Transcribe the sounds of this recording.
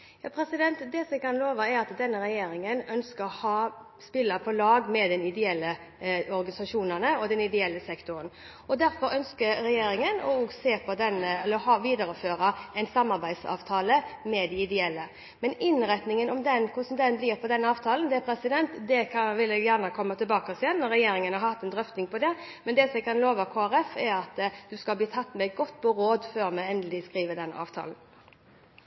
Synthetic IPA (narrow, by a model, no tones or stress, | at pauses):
jɑːpʰɾɛsɪd̪ɛnt̪d̪ɛsɔmɛkʰɑnloːʋəɛɾɑt̪d̪ɛnːəɾɛjeːɾɪŋənœnskəɾɔhɑː | spɪlːəpʰɔlɑːɡmɛd̪ɛnɪd̪ɛɛlːə | ɔɾɡɑnɪsɑʂuːnəʁnəɔd̪ɛnɪd̪ɛɛlːəsɛkt̪ʊɾən | ɔd̪æɾfɔɾœnskəɾɾɛjeːɾɪŋənɔ̰oːɡseːpʰɔd̪ɛnːəɛlːəɦɑːʋiːd̪əɾəføːɾɑɛɪnsɑmːɑɾbæɪd̪sɑ̰ːʋt̪ʰɑːləmɛd̪ɛɪd̪ɛɛlːə | mɛnɪnɾɛt̪nɪŋənɔmd̪ɛnkʰʊsɔmd̪ɛnblɪːʁpʰɔd̪ɛnːəɑːʋt̪ʰɑːlənd̪ɛpʰɾɛsɪd̪ɛnt̪d̪ɛkʰɑʋɪlɛɡjæʁnəkʰɔmːət̪ʰɪlbɑːkəsɪjɛnːɔɾɛjeːɾɪŋənhɑɾhɑt̪ːɛnd̪ɾœft̪nɪŋpɔd̪ɛmɛnd̪ɛsɔmɛɡkʰɑnloːʋəkʰoːæɾɛfɛɾɑt̪ːd̪̥ʉskɑlbliːt̪ʰɑt̪ːmɛɡɔt̪ːpʰɔɾoːd̪føːɾmæɪɛnd̪əlɪskʁiːʋəd̪ɛnːɑ̰ːʋt̪ʰɑ̰ːln